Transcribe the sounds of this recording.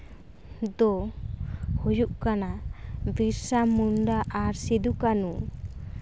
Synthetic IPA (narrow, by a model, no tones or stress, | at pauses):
d̪ɔ | hujuʔkanabiɾsamuɳɖaʔːɾsid̪ukanu